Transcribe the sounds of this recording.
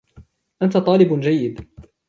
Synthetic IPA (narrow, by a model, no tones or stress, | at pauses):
ʔant̪at̪ˤɑːlɪbd͡ʒajːɪd̪